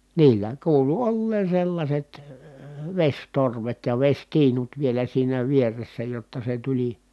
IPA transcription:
niːlːæ kuːlu olːeːn̞ selːɑsʲet ʋesʲtorʋet jɑ ʋesʲtiːnut ʋielæ siːnæ ʋieresːæ jotːɑ se tulʲi

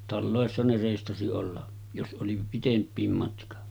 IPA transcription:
tɑlːoˑesːɑ ne reˑistɑsi olːɑ jos ʔoli pitempˑiːm mɑtkɑ

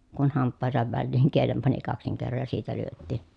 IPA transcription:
kun hɑmpːɑˑehesɑʋ ʋælːiːŋ kielem pɑni kɑksiŋ kerːoj jɑ siːtæ lyøtːiˑ

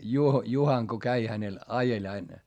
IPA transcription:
juho juhɑŋ ko kæi hænel ɑjelʲ ɑin

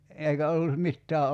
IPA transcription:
eˑikæ olːu mitːæː

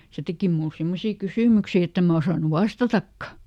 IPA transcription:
se teki mul simːosiː kysyˑmyksi etː em mæ osɑˑnu ʋɑstɑtɑkːɑ

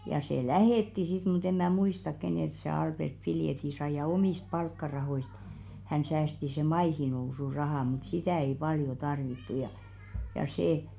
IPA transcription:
jɑ se læheˑtːi sit mut em mæ muistɑk keneˑlt se ɑlb̥ert piljeti sɑi jɑ omiˑst pɑlkːɑrɑhoist hæn sæːsti se mɑihinousurɑhɑˑ mŭt sitæˑ ei pɑljo tɑrʋitːu jɑ jɑ seˑ

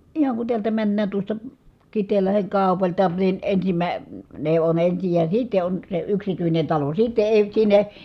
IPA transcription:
ihɑŋ kun tiæltæ mænːæːn tuostɑ kitˑeːlːɑheŋ kɑˑu̞pɑltɑ ni ensimæ ne on ensij jɑ sitːe on se yksityinen tɑlo sitːe eˑi sinːe

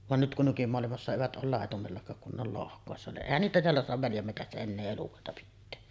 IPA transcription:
ʋɑn nyt kun nykymoɑlimɑsːɑ eʋæt ʔoːl lɑˑetumelːɑkɑːk kun ne ol lohkˑoˑesːɑ niʔ ʔeˑihæn niːtæ teælːæ soɑtɑʋ ʋæljæmːetæsːæ enːeː elukoˑetɑ pitːeː

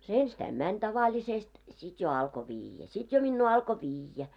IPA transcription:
se enstæim mænʲ tɑʋɑlʲisest sit jo ɑlko ʋiːjːæ sit jo minːuː ɑlko ʋijːæ

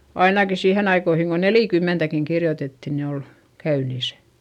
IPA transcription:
ɑinɑki siːhen ɑikoihiŋ ko neliˑkymːentækiŋ kirjotetːi ni ol kæynisæ̥

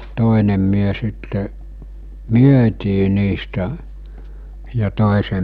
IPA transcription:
toˑenem myø sitːe myøtiː niːstæ jɑ toˑesem

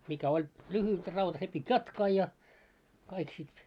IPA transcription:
mikæ olʲ lyhyt rɑut se pitʲ jɑtkɑː jɑ kɑik sit

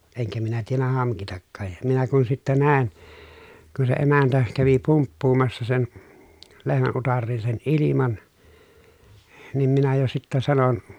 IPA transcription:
eŋkæ minæ tienːæ hɑŋkitɑkːɑːj jɑ minæ kun sitːæ næˑi̯n kun se emæntæ kæʋi pumpːuːmɑsːɑ sen lehmæn utɑrːiːn sen ʔilimɑn nim minæ jo sitːæ sɑnon

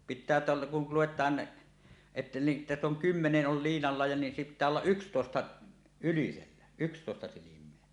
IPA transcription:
pitˑæː teæltæ kul luwetˑɑːn etːæ ni tæsː oŋ kymːeneʔ ʔol liːnɑlːɑ jɑ ni pitˑæː olːɑʔ ʔykstoˑestɑ yliselːæ ykstoˑestɑ silimˑeæ

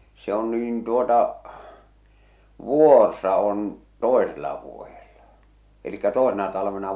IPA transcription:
se on niːn tuotɑ ʋuˑorsɑ on toˑeselːɑ ʋuojelːɑ elikːæ toˑesenɑ tɑlɑʋenɑ

